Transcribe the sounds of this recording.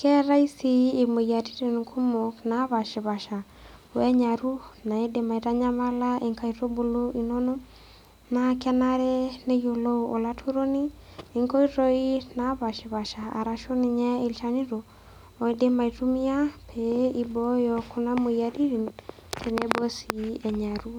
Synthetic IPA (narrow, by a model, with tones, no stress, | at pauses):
kɛ˦ɾa˦i˦siː˦˨mo˨ja˨ti˦ɾe˨n˨kʰu˦mo˨kna˨˦βa˨ʃe˨βa˨ʃa˨ | wɛ˦ɲa˨ɾu˦na˨e˦de˨ma˨i˨ta˦ɲa˦ma˦la˦ʔe˨ŋka˨i˨ɾo˦bo˨lo˦ʔi˨nɔ˦no˦ | na˨kɛ˦na˦ɾɛ˦ne˦jo˨lo˦o˨la˦tʰu˦ɾo˦ni˦ | e˨ŋko˦i˦ɾo˦i˦na˦βa˨ʃe˨βa˨ʃa˨a̰˨ɾa˨ʃo˦ni˨ɲɛ˦e˨lt͡ʃa˨ni˦ɾo˨ | o˨e˦de˦ma˨i˨tu˦mi˦a˦pʰe˨i˦bɔ˦jɔ˨ko˦na˦mo˨ja˨ti˦ɾi˨n | tʰe˨ne˨˦bo˦si˨ɛ˨ɲa˨ɾu˦